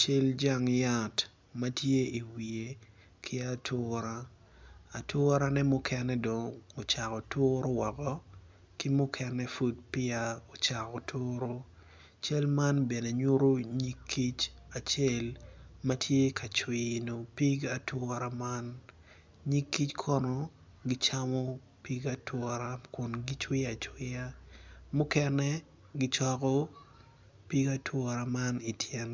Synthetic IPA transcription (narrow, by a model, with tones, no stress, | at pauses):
t͡ʃe˦ld͡ʒa˦ŋja˦˨t | ma˦tje˦i˨wi˨e˨ | kʰɪ˦a˦tʊ˦ɾa˦ | a˨tʊ˦ɾa˦nɛ˦mʊ˦kʰɛ˦nɛ˦do˨ŋo˨t͡ʃa˨kɔ˨tʊ˦ɾo˦wɔ˨kɔ | kɪ˦mʊ˦kʰɛ˦nɛ˦fu˦d̚pɪ˦a˦o˨t͡ʃa˨kɔ˨tʰʊ˦ɾo˦ | t͡ʃɛ˦lma˦nbe˨ne˨ɲʊ˦ɾo˦ɲi˦kʰːi˦t͡ʃa˨t͡ʃe˦lma˦tʰje˦kʰa˨t͡ʃwɪ˨no˨pi˦ɡa˦twɔ˦ɾa˦ma˦n | ɲi˦kːi˦t͡ʃkʰɔ˦nɔ˦ | ɡi˦t͡ʃa˦mɔ˦ | pi˦ɡa˦tʰwɔ˦ɾa˦kʊ˨nɡi˦t͡ʃwɪ˦a˨t͡ʃwɪ˦a˦mʊ˦kɛ˦nɛ˦ | ɡi˦t͡ʃɔ˦kɔ˦ | pi˦ɡa˦tʰwɔ˦ɾa˨ma˦ni˨tʰjɛ˨n